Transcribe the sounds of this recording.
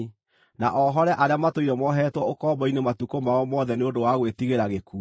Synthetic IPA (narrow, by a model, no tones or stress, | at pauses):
naʔɔɦɔɾɛʔaɾeamatoiɾɔmɔɦɛtwɔokɔbɔinematukomaɔmɔðɛneondowaɣwetiɣeɾaɣekuː